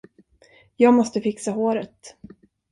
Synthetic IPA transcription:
jɑːɡmɔst̪əfɪksaɦoːɾət̪

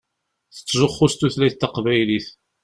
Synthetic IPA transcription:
θə̥t͡sːʒoχːust̪uθlæθt̪ːɑqvæjliθ

